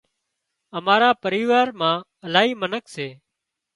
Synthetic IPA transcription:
əmaːɾaːpəɾiːʋaːɾmãː | əlaːɦiːmənəkseː

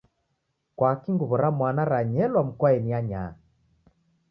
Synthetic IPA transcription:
kwakiŋɡuβɔɾamwanaɾaɲɛlwam̩kwaɛniaɲa̰

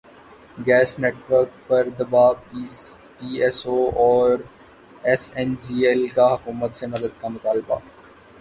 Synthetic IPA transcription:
ɡɛːsneːʈʋəɾk̚pɐɾd̪ɐbaːbiː | ʈiːɛsoɔːɾ | ɛsɛ̃nd͡ʒiːɛlkaɦɐkuːmət̪senɐd̪əd̪kamʊt̪aːlba̰

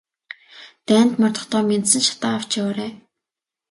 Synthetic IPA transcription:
t̪æːn̥t̪mɔrt̪ɞ̆χt̪ɔːmʲent̪sɘ̆nʃḁt̪aːw̥t͡ɕawaːɾeː

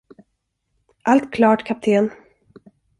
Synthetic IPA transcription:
ʔalt̪kʰlɑːʈkʰap̚t̪ʰeːn

